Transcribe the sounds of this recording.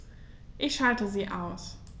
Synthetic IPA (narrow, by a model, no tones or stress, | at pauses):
ʔɪçʃaltəziːʔaʊs